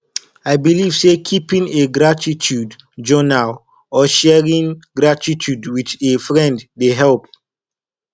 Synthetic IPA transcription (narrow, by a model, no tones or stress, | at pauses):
ajbiliv̥sekʰipĩŋeɡɹatitʰud | d͡ʒɔnal | ɔʃɛɹĩŋɡɹatitʰudwit͡ʃefɹɛ̃nddeɦɛlp